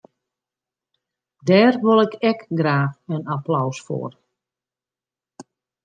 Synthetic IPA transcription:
dɛːrʋolˠɛkɛkɡraːxənaplɔwsfo̰ːr

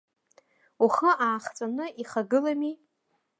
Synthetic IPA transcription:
uχəʔaːχt͡sʼanɨiχaɡɨlami

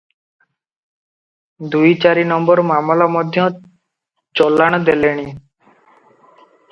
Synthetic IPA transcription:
d̪ujt͡ʃaɾinɔmbɔɾmamlamɔd̪ʱjɔ̃ | t͡ʃɔlːaɽ̃d̪eleɽ̃i

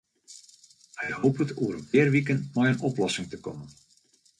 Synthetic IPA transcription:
hɛjhowpətuəɾənʋɪːrʋikəntmɔjənɔplɔsɪŋtəkɔmən

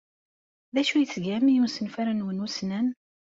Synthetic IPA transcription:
ðæʃujət͡sːɡæmjumsənfæɾanwənusnæn

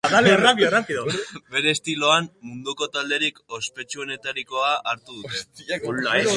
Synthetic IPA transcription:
aðalrapirapiðobe̞ɾe̞ːst̪ilo̞ammund̪uko̞t̪ald̪e̞ɾiko̞spe̞t͡ʃue̞ne̞t̪aɾiko̞aʔaɾt̪uðut̪e̞i

